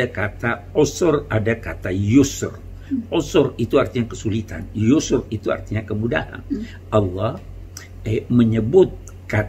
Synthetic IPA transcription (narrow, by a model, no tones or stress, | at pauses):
akat̪aosʊradakat̪ajusʊ̰r | osʊrit̪uart̪iɲakəsulit̪a̰njusʊrit̪ua̰rt̪iɲakəmuda̰ha̰n | ʔɑlːɔh | məɲəbʊt̪̚ | ka